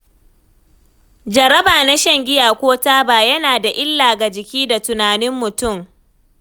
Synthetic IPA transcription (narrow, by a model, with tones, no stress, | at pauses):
d͡ʒɐ˨ɾɐ˦baː˨na˦ʃɐ˦ŋɡʲɪ˦jaː˨kʷoː˦taː˦baː˨jɐ˦naː˨da˨ʔɪ˦lːaː˨ɡa˨d͡ʒɪ˨kʲiː˦da˨tʊ˨naː˨nɪ˦mːʊ˨tʊ˦˨m